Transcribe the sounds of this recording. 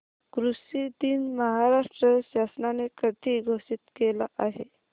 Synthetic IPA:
kɾusid̪iːnməɦaɾaʂʈɾəɕasnanekəʈ̪iɡʱosit̪kelaʔaɦe

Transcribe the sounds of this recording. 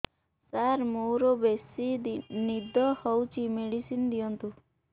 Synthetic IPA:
saɾmoɾɔbesinid̪ʱɔhɔwt͡ʃʰimeɽisind̪ijɔnt̪u

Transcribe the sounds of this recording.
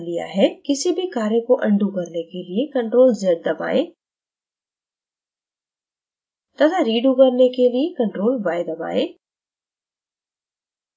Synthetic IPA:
lija̰ɦɛkɪsibʱɪkaːɾẽkoʔɐ̃ɳɖʱukɐɾnekeliekɐ̃ɳʈɾoːlzɐɾd̪ɐba̰ːeː | t̪ɐd̪ʰaɾiːɖukɐɾnekeliekɐ̃ɳʈɾoːlbaːɪd̪ɐba̰ːeː

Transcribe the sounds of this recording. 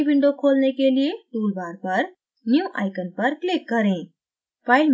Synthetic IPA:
biɳɖokʰolnekelijet̪ulbaɾpəɾ | njuʔa̰jkənpəɾklikːəɾẽ | paɪlm

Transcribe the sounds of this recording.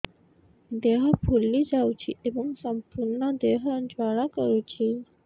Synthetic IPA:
d̪eɦəpʰulːid͡ʒawt͡ʃʰiʔebəŋɡsəmpuɾɳəd̪eɦənd͡ʒaɭakəɾut͡ʃʰi

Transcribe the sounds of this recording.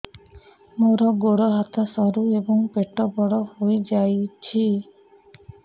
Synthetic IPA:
moɾɔɡoɽɔɦat̪ʰɔsɔɾuebɔŋpeʈɔbɔɽɔhojd͡ʒajt͡ʃʰi

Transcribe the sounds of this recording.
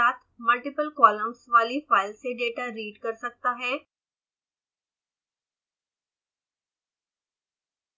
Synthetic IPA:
at̪məlʈipəlkɔləmsʋaliːfalseɖeʈaɾiːɖkəɾsək̚t̪aɦɛ

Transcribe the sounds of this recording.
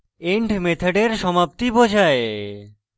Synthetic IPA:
eɳʈmet̪ʰaɖeɾʃɔmap̚t̪ibod͡ʑʱae

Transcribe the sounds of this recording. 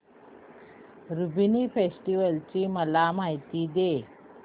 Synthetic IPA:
ɾubinipʰesʈiʋəlt͡ɕimɐlamajt̪id̪e

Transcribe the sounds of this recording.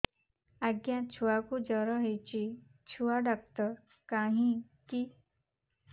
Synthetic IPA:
aɡjãt͡ɕʰuʋakud͡ʑəɾəɦejt͡ɕi | t͡ɕʰuʋaɖak̚t̪ə | kaɦĩ | ki

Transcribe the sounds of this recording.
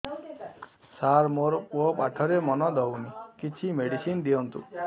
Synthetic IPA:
saɾmoɾopaʈʰɔɾemɔnɔd̪ɔwnikit͡ʃʰimeɽisind̪iɔnt̪ṵ

